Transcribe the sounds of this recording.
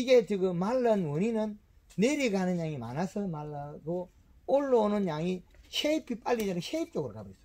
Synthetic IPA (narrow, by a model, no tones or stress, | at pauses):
iɡetiɡɯmalːanwoninɯn | neɾiɡanɯnɲaŋima̰nasɯmalːaɡo | olːonɯnɲaŋiɕeipʰːipʼalːid͡ʒanɯɕeip̚t͡ʃoɡɯɾkabɯɾisɯ̥